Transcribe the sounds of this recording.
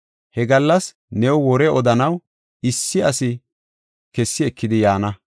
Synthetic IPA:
hɛɡɐlːɐs | nɛwwɔɾɛɔd̪ɐnɐw | ɪsːɪɐsɪ | kɛsːɪɛkːɪd̪ɪjaːnɐ

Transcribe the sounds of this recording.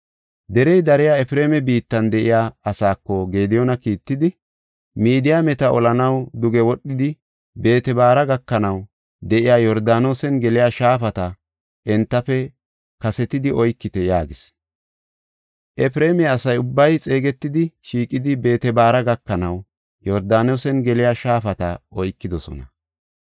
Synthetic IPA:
d̪ɛɾɛjd̪ɐɾɪjaɛfɪɾe̞ːmɛbiːt̪ːɐnd̪ɛʔɪjaːɐsaːkːɔɡe̞ːd̪ɪjɔnɐkiːt̪ːɪd̪ɪ | miːd̪ɪjamɛt̪ɐɔlɐnɐwd̪ʊɡɛwɔɗːɪd̪ɪ | be̞ːt̪ɛbaːɾɐɡɐkːɐnɐw | d̪ɛʔɪjaːjɔɾd̪aːno̞ːsɛnɡɛlɪjaʃaːfɐt̪ɐ | ʔɛnt̪ːɐfɛ | kɐsɛt̪ɪd̪ɪʔɔjkːɪt̪ɛjaːɡɪs | ʔɛfɾe̞ːmɛːsɐjʊbːɐjt͡sʼe̞ːɡɛt̪ːɪd̪ɪʃiːkʼːɪd̪ɪbe̞ːt̪ɛbaːɾɐɡɐkːɐnɐw | jɔɾd̪aːnosɛnɡɛlɪjaʃaːfɐt̪ɐɔjkːɪd̪ɔsɔ̰nɐ

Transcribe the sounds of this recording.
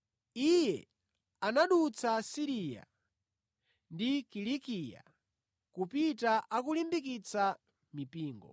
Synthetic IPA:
ijɛ̰ | anaɗut͡sʰasiɾija̰ | ndikilikija̰ | kupitaʔakulimbik̬it͡sa | mipiːŋɡɔ̰

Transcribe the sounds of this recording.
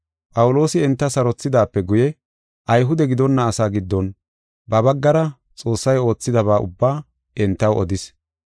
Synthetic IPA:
pʼɐwʊlo̞ːsɪɛnt̪ːɐsɐɾɔt͡sːɪd̪aːpːɛɡʊjɛ | ʔɐjɦʊd̪ɛɡɪd̪ɔnːɐːsaːɡɪd̪ːɔn | bɐbɐɡːɐɾɐ | t͡sʼo̞ːsːɐjo̞ːt͡sːɪd̪ɐβaːʔʊ̰bːaː | ʔɛnt̪ːɐwɔd̪ɪs

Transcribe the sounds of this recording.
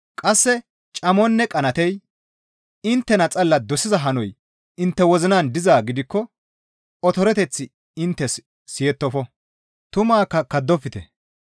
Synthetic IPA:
kʼɐsːɛ | t͡ʃʼɐmɔnːɛkʼɐnɐt̪ɛj | ɪnt̪ːɛnɐt͡sʼɐlːɐd̪ɔsɪzɐɦɐnɔj | ɪnt̪ːɛwɔzɪnaːnd̪ɪzaːɡɪd̪ɪkːɔ | ɔt̪ɔɾɛt̪ɛt͡sːɪ | ɪnt̪ːɛs | sɪjɛt̪ːɔfɔ | t̪ʊmaːkːɐkɐd̪ːɔfːɪt̪ɛ

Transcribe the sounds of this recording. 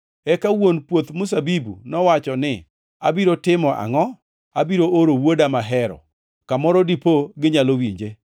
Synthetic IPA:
ɛkawonpwot̪mʊs̬abibṵnɔwat͡ʃɔnɪ | a̰biɾotɪmɔʔa̰ŋɔ | abiɾoʔoɾowodamaɦɛɾɔ̰ | kamɔɾɔdipoɡɪɲalowiɲd͡ʒe

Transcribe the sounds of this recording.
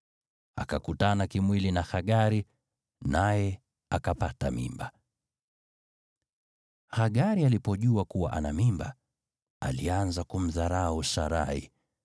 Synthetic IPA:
a̰kakutanakimwilinaxaɠaɾi | najɛ | akapatamḭmba | haɠaɾialipɔʄuakuwaʔanamimba | alianzakum̩ðaɾauʃaɾa̰hḭ

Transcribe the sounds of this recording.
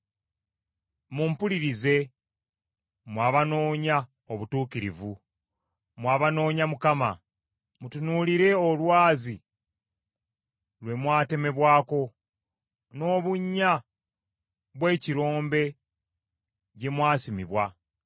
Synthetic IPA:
muːmpuliɾize̞ | mwaːβano̞ːɲa | oβutuːkiɾḭvu | mwaːβano̞ːɲamukama̰ | mutunuliɾe̞olwaːzi | lwe̞mwaːte̞me̞βwaːko̞ | no̞ːβuɲːa | βwe̞ːciɾo̞ːmbe̞ | ɟe̞mwaːsimiβwa

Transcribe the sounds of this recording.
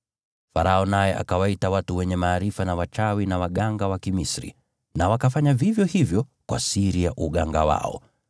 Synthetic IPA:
faɾaɔnajɛʔa̰kawaitawatuwɛɲɛmaːɾifanawat͡ʃawinawaɠaŋɡawakimisɾḭ | nawakafaɲavivjɔhivjɔkwa̰siɾijaʔuɠaŋɡawa̰ɔ̰

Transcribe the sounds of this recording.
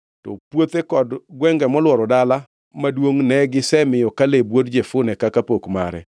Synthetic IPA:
tɔ̰pwot̪ekɔdɡwɛŋɡɛmɔlwɔɾɔdala | madwoŋnɛɡɪsɛmɪjɔkalebwodd͡ʒefʊnɛkakapokma̰ɾɛ̰

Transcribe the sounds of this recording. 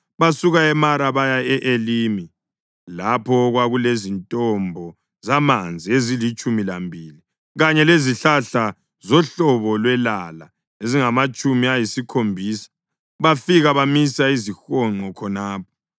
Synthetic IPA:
βasuɣaɛmaɾaβajaɛʔelimi | lapʰɔɣwaɣulezintʼɔmbʱɔ | zamand͡zʱiezilit͡ʃʼumilambʱili | ɣaɲɛleziɬaɬa | zɔɬɔβɔlwɛlala | eziŋamat͡ʃʼumiajisikʰombʱiːsḁ | βafiɣaβamisaizixɔŋ͡ǃʱɔkʰɔnaːp̚ʰɔ̥

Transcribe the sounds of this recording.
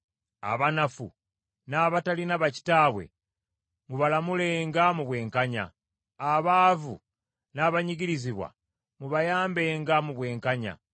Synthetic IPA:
a̰βanafṵ | naːβatalinaβaci̥taːβwe̞̰ | muβalamule̞ŋɡamuβwe̞ːŋkaɲa̰ː | βaːvṵ | naːβaɲiɟiɾiziβwa̰ | muβajaːmbe̞ːŋɡamuβwe̞ːŋkaɲa̰

